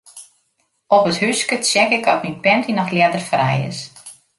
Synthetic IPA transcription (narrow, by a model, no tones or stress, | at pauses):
ɔpəthyskəsjɛkɪkɔtminpɛntʰinɔxljɛdərfrɛ̰jɪ̰s